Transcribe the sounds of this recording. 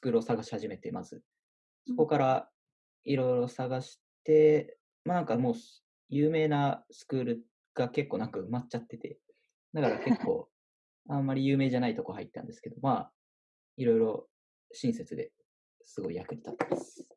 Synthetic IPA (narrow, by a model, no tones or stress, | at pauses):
sɨ̥kɯ̟ːɾɯo̞saɡaɕi̥haʑime̞t̪e̞mazɨ̰ | so̞ko̞kaɾa | iɾo̞jɾo̞saɡaɕi̥t̪e̞ | manãŋkamo̞ː | jɯ̟ːme̞ːnasɨ̥kɯ̟ːɾɯ̟ | ɡ̥ake̞kːo̞ːnãŋkaɯ̟matt͡ɕat̪ːe̞t̪e̞ | nakaɾake̞kʰːo̞̰ː | ãmːaɾʲijɯ̟ːme̞ːʑanait̪o̞ko̞haḭt̪ːã̰nd̪e̞sɨ̥ke̞d̪o̞maː | iɾo̞jɾo̞ | ɕĩɰ̃se̞t͡sɨd̪e̞̰ | sɨɡo̞ijakɯ̟ɾʲi̥t̪at̪ːe̞masɨ̥